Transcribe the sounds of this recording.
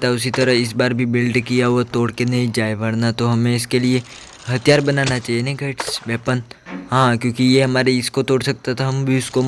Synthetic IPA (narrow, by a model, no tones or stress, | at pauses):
t̪aʊs̬it̪ɐɾəɦɪs̬baːɾbʱibɪlɖkijaɦuat̪oːɽkenɐɦĩd͡ʒaːebɐɽnat̪oɦɐmẽɪskelie | ɦɐt̪ijaːɾbɐnaːnat͡ʃaːɦienɐɡʱɐʈsʋɛːpənɦãːkjõːkijeɦɐmaːɾeɪskot̪oːɽsɐk̚t̪at̪ʰaɦɐmbʱiʊsko